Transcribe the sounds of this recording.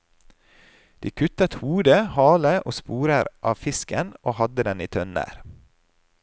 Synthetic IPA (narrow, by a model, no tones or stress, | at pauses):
d̪̥iːkʰʉt̪ət̪huːd̪əhɑːləʔoːspuːɾəɾʔɑːʋfɪskənʔoːhɑd̪əd̪ɛniːt̪ʰœnæ̰ɾ